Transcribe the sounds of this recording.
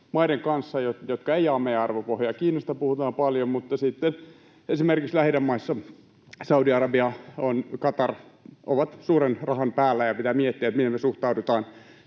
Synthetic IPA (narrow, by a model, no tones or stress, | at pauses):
mɑideŋkɑnsːɑjotjot̪kɑeiɑːmeijæɑrʋopohjɑkiːnost̪ɑpuhut̪ɑːmpɑljommut̪ːɑsit̪ːen | esimerkikslæhidæmːɑisːɑ | sɑudiɑrɑbiɑonkɑt̪ɑrʔo̰ʋɑt̪suːrenrɑhɑnpæːlːæjɑpit̪æːmiet̪ːiæet̪mit̪emesuht̪ɑudut̪ɑːn